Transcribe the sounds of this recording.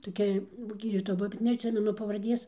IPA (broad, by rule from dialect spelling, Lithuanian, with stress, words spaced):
toːˈkʲɛ ˈɡʲiːdʲiːtoːjɛ ˈbʊʋoː bʲɛt nʲɛɐtʲˈsʲɪmʲɛnʊ pɐʋɐrʲˈdʲeːs